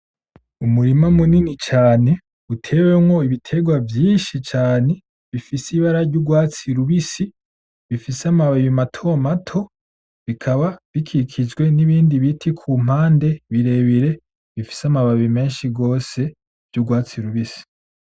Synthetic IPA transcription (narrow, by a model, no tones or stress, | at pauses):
umuɾimamuninit͡ʃaːne̞ | utʰe̞wemɡo̞iβitʰe̞ɡwavjiːnʃit͡ʃaːne̞ | βifisiβaɾaɾɟuɡwaːt͡siɾuβisi | βifisamaβaβimatʰo̞matʰo̞ | βikʰaβaβikʰikʰid͡ʒɡwe̞niβiːndiβitʰikʰum̥aːnde̞βiɾe̞βiɾe̞ | βifi̥samaβaβime̞ːnʃiɡo̞ːse̞ | v̥juɡwaːt͡siɾuβisi̥